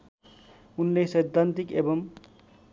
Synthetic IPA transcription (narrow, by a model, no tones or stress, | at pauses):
unːesʌjd̪ʱant̪ikebʌm